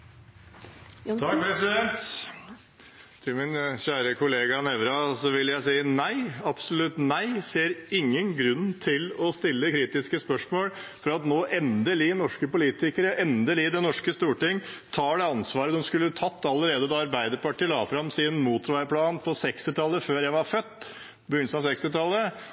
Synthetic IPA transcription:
t̪ʰɑk̚pʰɾɛsɪd̪ɛnt̪ | t̪ʰɪlmɪnçæːɾəkʰʊleːɡɑnɛʋɾɑsɔʋɪlːjæɪsiːənæɪɑpsɔlʉt̪næɪseːɾɪŋːənɡɾʉnt̪ʰɪlɔst̪ɪlːəkʰɾiːt̪ɪskəspœʂmoːlfɔɾɑt̪noːʔɛnd̪əɭiːnɔʂkəpʊliːt̪ɪkəɾəʔɛnd̪əliːd̪ɛnɔʂkəst̪uːʈɪŋt̪ʰɑːɖɛɑnsʋɑːɾəd̪ɔmskʉlːət̪ʰɑt̪ːɑlːəɾeːd̪əd̪ɑɑɾbæɪd̪əɾpɑʈɪlɑ̰ːfɾɑmsɪnmuːt̪ɾʋæɪpʰlɑːnpʰɔsɛkst̪ɪt̪ʰɑlːəføːɾjæɪʋɑɾfœt̪ː | bəɡʏnsɑsɛkst̪ɪt̪ʰɑlːə

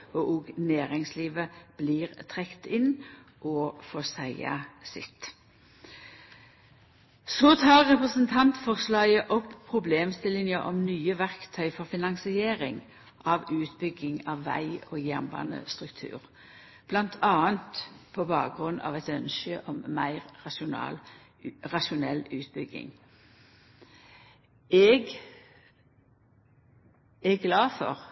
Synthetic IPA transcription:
ɔʔɔːɡnæːʁɪŋsliːʋəb̥liːʁt̪ʰʁɛkt̪ɪnʔɔfɔsæɪɑ̰sɪt̪ | soːt̪ʰɑːʁʁɛpʁəsənt̪ʰɑnt̪fɔʁslɑːɡəʔɔpʰːʁʊbleːmst̪ɪlɪnjəʔɔmnyːəʋæʁkt̪ʰœʏfɔʁfɪnɑŋsɪeːʁɪŋ | ʔɑʋʉːt̪bʏɡɪŋɑʋːæ̰ɪoːjænbɑ̰nə̰st̪ʁʉkt̪ʰʉ̰ːʁ | b̥lɑnt̪ʰɑːənt̪pʰɔbɑːk̚ɡʁʉnːɑ̰ːʋɛt̪œnʃəʔɔmmæɪʁɑʃʊnɑ̰ːl | ʁɑʃʊnɛlʉːt̪bʏɡɪ̰ŋ | ɛɡ | ɛɡlɑːfɔ̰ʁ

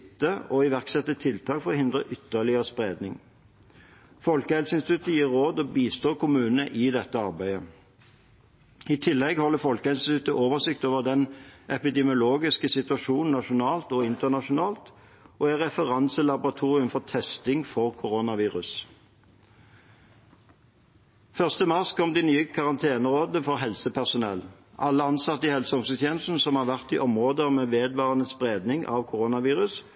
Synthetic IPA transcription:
t̪ːəɔɪʋæʁksɛt̪ːət̪ʰɪlt̪ʰɑːkfɔʁɔhɪnd̪ʁə̰ʔʏt̪ːəlɪəʁəspʁeːd̪nɪŋ | fɔlkəhɛlsəɪnst̪ɪt̪ʰʉt̪ːəjiːʁʁoːd̪ɔbiːst̪oːkʰʊmʉːnnəʔɪd̪ɛt̪ːəɑʁbæɪə | ɪt̪ʰɪlːɛɡhɔlːəfɔlkəɛɪnst̪ɪt̪ʰʉt̪ːəʔoːʋəsɪk̚t̪oːʋəʁd̪ɛnʔɛpɪd̪ɛmɪʊloːɡɪskəsɪt̪ʉɑʃuːnn̩ɑʃʊnɑːlt̪ɔɪnt̪ənɑʂʊnɑːlt̪ | ʔɔæʁɛfəʁɑnsəlɑbʊʁɑt̪ʰuːʁɪʉmfɔʁt̪ʰɛst̪ɪŋfɔʁkʰʊʁonɑʋiːʁʉs | fœʁst̪əmɑʁskʰɔmd̪inyːəkʰɑʁɑnt̪ʰeːnəʁoːd̪əfɔʁɦɛlsəpʰæʁsʊnɛl | ʔɑlːəɑnsɑt̪ːəɪhɛlsəɔmsət̪ʰjɛːnsn̩sɔmhɑːʁʋæʁt̪iʔɔmʁoːd̪əmeːʋeːd̪ʋɑːʁənəspʁeːd̪nɪŋʔɑ̰ʋkʰʊʁonɑʋiːʁʉs

